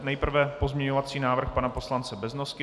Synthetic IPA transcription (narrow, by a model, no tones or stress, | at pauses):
nɛjpr̩vɛpo̞zmɲɛɲovat͡siːnaːvr̩xpanapo̞slant͡sɛbɛznoskɪ